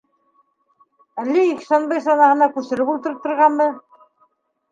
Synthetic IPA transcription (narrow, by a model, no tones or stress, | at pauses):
ælːiiksænbɘjsɑnɑhɤ̆nɑkʉsɘ̆ɾɘpulˠt̪ɤ̆ɾɤp̚t̪ɤ̆ɾʁɑnbɤ